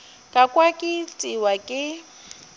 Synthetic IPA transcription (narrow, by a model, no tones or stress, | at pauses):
kʼakʼwakʼɪt͡sʼiwakʼɪ